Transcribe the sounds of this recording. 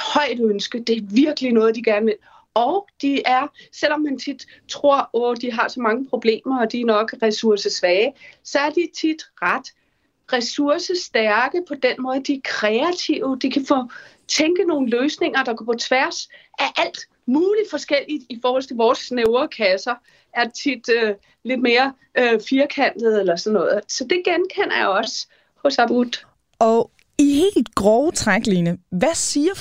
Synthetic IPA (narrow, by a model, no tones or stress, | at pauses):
hɒ̽ɪ̰d̥ønsɡ̥əd̥e̝æɐʋiɐɡ̥əlinɔ̽ːð̞ˠd̥iɡ̥æɐnʋe̝l̰ | ɒʊd̥iæɐsel̰ɒ̽mːænt͡sʰid̥ | t͡sʰʁo̝ɐ̰ɔd̥iɦɑ̈sɒ̽mɑ̈ŋəpʰʁo̝b̥le̝̰ːmɐɒ̽d̥iæɐnɒ̽ɡ̥ʁɛsuɐsəsʋɛːsɒ̽æɐd̥it͡sʰid̥ʁad̥ | ʁɛsuɐsəsd̥æɐɡ̥əpʰɒ̽d̥enmɔ̽ːð̞ˠəd̥iæɐkʰʁɛæt͡sʰiʊd̥ikʰæfɔ | t͡sʰeŋɡ̥əno̝ːn̩løːsne̝ŋ̰ɐd̥ɑ̈ɡ̥ɒpʰɒ̽t͡sʰʋæɐ̰sʔæʔæl̰d̥ | muːli̥fɒ̽sɡ̥el̰id̥ifɒːhɒ̽l̰t͡sʰe̝ʋɒːsʰneʊɐkʰæsɐ | ʔæɐt͡sʰid̥ø | le̝d̥me̝ːɐ | øfiɐkʰæn̰d̥ð̩ˠelɐsɒ̽nːɔ̽ːð̩ˠsɒ̽d̥e̝ɡ̥enkʰen̰ɐjoɒ̽s | hɔ̽sɑbʁud̥ | ɒ | ihe̝̰ːld̥ɡ̥ʁɔʊt͡sʰʁaɡ̥linəʋæsiːɐ